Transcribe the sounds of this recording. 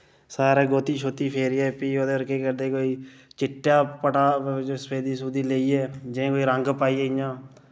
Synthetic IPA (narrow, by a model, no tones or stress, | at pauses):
saːɾeːɡoːt̪iːʃoːt̪iːpʰeːɾiːɛːpiːoːd̪eːɾkeːkəɾd̪eːkoːiːt͡ʃɪʈːjaːpəʈaːsəpʰeːd̪iːsuːd̪iːleːiːɛːd͡ʒeẽːkoːiːɾəŋɡpaːiːeɪjãː